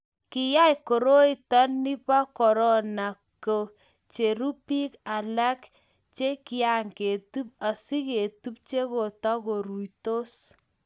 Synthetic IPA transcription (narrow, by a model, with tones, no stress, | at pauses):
ki˨ja˦jko˨ɾo˦i˨ta˦nːi˦pa˦kɔ˨ɾɔ˦na˨ | ko˨ | t͡ʃe˨ɾu˦pi˦ka˨la˦k | t͡ʃe˦ki˦a˨ŋke˨tu˦p̚a˨si˦ke˨tu˦p̚t͡ʃe˦ko˨ta˦ko˨ɾu˨ito˦s